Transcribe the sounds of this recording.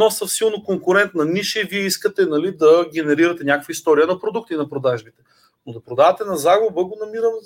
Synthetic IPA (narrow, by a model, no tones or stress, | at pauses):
nɔsɐfsilˠnokoŋkʊɾɛnt̪nɐniʃɛiviɛiskət̪ɛnɐlid̪ɐɡʲɛnɛɾiɾɐt̪ɛnʲakəkvəist̪ɔɾiənɐpɾod̪uk̚t̪inɐpɾod̪aʒbit̪ɛ̥ | nod̪ɐpɾod̪avɐt̪ɛnɐzaɡʊbəɡonɐmiɾəm